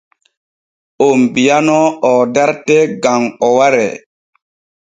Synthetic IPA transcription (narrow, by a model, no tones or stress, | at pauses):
ombijanɔɔdaɾtɛɡaŋɔwaɾɛ̰